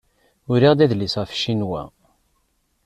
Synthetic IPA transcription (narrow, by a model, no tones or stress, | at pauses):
ʊɾiʁd̪æðlisʁæfʃinwæ̰